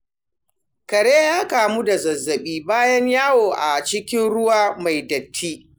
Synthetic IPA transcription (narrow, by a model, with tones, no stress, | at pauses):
kɐ˨ɽeː˦jaː˦kaː˨mu˦da˨zɐ˨zːɐ˨ɓiː˦baː˦jɐ˦ɲjaː˦woː˨ʔa˨t͡ʃɪ˦kʲɪ˦nɽʊ˦waː˦ma˨jdɐ˨tʰːiː˦